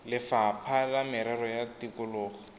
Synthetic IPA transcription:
lɪfapʰalamɪɾarɔjatikʊlʊːχɔ

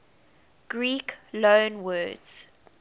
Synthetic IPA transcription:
ɡ̥ɹiːklõʊnwɜːdz̥

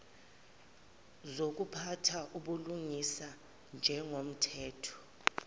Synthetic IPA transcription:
zok̬ʼupʰatʰaʔuɓuluŋisa | nd͡ʒʱɛŋom̩tʰɛːtʰɔ̥

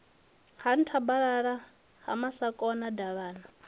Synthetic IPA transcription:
han̩tʰabaɺaɺa | ha̰masakʼɔnadaβaːna

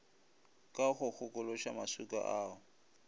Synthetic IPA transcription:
kʼaχʊk͡xʰʊkʼʊlɔʃamasukʼa̰ʔaːʊ

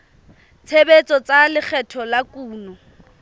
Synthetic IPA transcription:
t͡sʰebet͡sʼɔt͡salɪk͡xʰɛtʰɔlakʼuːnɔ

